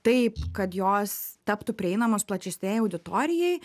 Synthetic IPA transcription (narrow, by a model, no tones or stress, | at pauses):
t̪ɐɪpkɐt̪joːst̪ɐpt̪ʊpʲɾʲɪɛɪnɐmoːsplˠɐt͡ʃʲɛsʲnʲeːjɛɐʊd̪ʲɪt̪oːɾʲɪjɛɪ